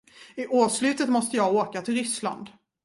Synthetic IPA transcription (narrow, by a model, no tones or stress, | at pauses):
ɪʔoːslʉ̟ːt̪ət̪mɔst̪əjɑːɡoːkat̪ʰɪlɾʏsla̰nd̪